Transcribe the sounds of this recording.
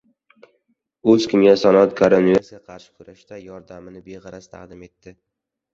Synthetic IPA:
ɵzkʲʰɪmɡʲasanɒt̪̚kʰoɾonieɾsɡʲaqʰɑɾʃɪ̥kʰʊɾaʃt̪ajɒɾd̪amɪnɪbeʁɑɾast̪ʰa̰qd̪ɪme̞t̪ːɪ

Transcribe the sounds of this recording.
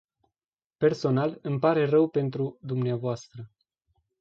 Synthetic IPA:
pe̞rso̞nalɨmpaɾe̞rəwpe̞nt̪ɾud̪umneavoast̪ɾə

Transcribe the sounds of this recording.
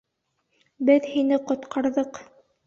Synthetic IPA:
bɘðhinɘqŏt̪qʰɑɾðɤq

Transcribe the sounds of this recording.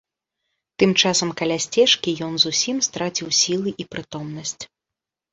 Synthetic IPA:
t̪ɨmt͡ʂasɐmkɐlʲasʲt͡sʲɛʂkʲijɔnzusʲimst̪ɾat͡sʲiwsʲilˠɨʔipɾɨt̪ɔmnɐsʲt͡sʲ

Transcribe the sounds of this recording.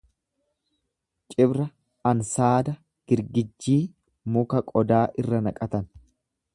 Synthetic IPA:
t͡ʃʼɪbɾɐ | ɐnsaːd̪ɐ | ɡ̥ɪɾɡɪd͡ʒːiː | mʊkɐkʼɔd̪aːʔɪrːɐnɐkʼɐt̪ɐn

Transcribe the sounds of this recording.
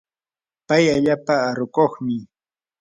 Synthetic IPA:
pajaʎaːpaːɾʊkoχmɪ

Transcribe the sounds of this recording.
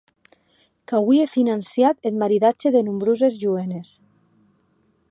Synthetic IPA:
kaβwiefinansjat̪et̪maɾiðat͡ʃeðenumbɾuzezʒuenes

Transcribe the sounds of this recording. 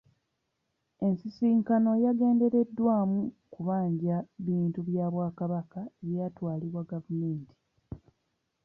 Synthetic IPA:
e̞nsisiːŋkano̞jaɡe̞ːnde̞ɾe̞dːwaːmukuβaːɲɟaβiːntuβjaːβwaːkaβakaeβjatwaːliβwaɡavume̞ːnti̥

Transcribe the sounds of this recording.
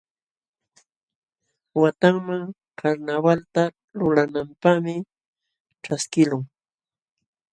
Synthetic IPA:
wat̪aŋmaŋ | kʰaɾnawalt̪a | lʊlanampaχmɪ | ʈ͡ʂaskɪlʊŋ

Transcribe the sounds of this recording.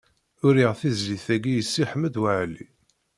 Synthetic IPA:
ʊɾiʁθizliθæɡijəsːiħəmːəd̪wəʕli

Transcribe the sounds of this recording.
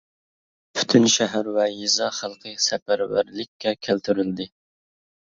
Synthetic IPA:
pʰy̥t̪ʰynʃɛɦæɾwɛjizɑχælˠqʰəsɛpæɾwæ̰ɾlɪkʲːɛkʲʰælt̪ʰyɾyld̪ɪ

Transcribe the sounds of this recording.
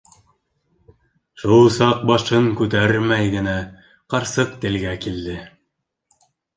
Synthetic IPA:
ʃulˠsɑq̚bɑʃɤŋkʉt̪æɾmæjɡɘ̆næ | qɑɾsɤq̚t̪ɘ̆lɡækild̪ɘ

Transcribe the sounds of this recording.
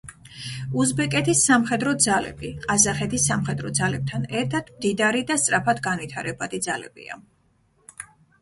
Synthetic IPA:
uzbɛkʼɛt̪ʰisːamχɛd̪ɾɔd̪zalɛ̰biqʼazaχɛt̪ʰisːamχɛd̪ɾɔd̪zalɛb̚t̪ʰanɛɾt̪ʰat̪ʰmd̪id̪aɾid̪ast̪sʼɾapʰat̪ɡanvit̪ʰaɾɛbad̪id̪zalɛ̰bḭa̰

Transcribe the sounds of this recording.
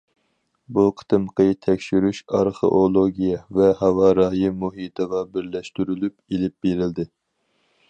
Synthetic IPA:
buqʰə̥t̪ɨmqət̪ʰɛkʲʃyɾyʃɑɾχḛʔolˠoɡʲijɛvɛhɑwɑɾɑjimuɦit̪ʰəʁɑbɪɾlɛʃt̪yɾylypelɪp̚beɾɪld̪ɪ

